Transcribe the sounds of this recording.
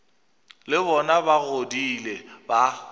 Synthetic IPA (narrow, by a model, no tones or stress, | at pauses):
lɪbɔnabaɣodilɛba